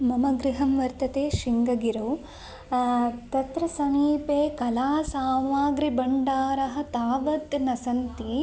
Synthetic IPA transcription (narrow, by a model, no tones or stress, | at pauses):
mɐmɐɡɾiɦɐmʋɐɾt̪ɐt̪eːʃiŋɡɐɡiɾɐw | t̪ɐt̪ɾɐsɐmiːpeːkɐlaːsaːmaːɡɾibɐɳɖaːɾɐɦɐ̆t̪aːʋɐd̪nɐsɐnt̪i